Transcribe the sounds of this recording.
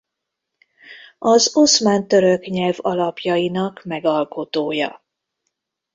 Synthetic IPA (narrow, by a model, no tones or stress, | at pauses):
ɒzo̞smaːnt̪øɾøkɲɛlvɒlɒpjɒjinɒkmɛɡɒlko̞t̪oːjɒ̰